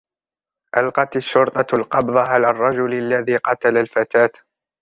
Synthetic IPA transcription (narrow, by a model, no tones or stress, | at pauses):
ʔalqɑt̪aʃːʊɾt̪ˤɑʊlqɑbðˤɑɦalarˤːɑd͡ʒʊlalːaðiːqɑt̪alalfat̪aːt̪